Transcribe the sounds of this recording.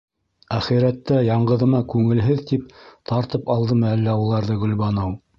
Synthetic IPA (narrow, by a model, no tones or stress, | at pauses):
æχiɾæt̪ːæjɑɴɢɤ̆ðɤ̆mɑkʉŋɘ̆lɦɘðt̪ip̚t̪ʰɑɾt̪ɤpɑlˠd̪ɤmɘælːæulˠɑɾðɤɡɵ̆lβɑnɤw